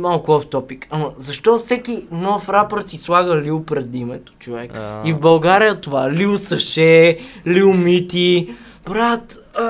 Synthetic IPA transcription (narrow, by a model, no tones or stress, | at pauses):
malˠkʊɔft̪ɔpikɐməzɐʃt̪ɔfsɛkinɔfɾapəɾsislˠaɡəliʊpɾɛd̪imɛt̪o̥t͡ʃovɛ̰kivbɐlˠɡaɾijət̪ovaɛliʊsəʃɛliʊmit̪i | b̥ɾat̪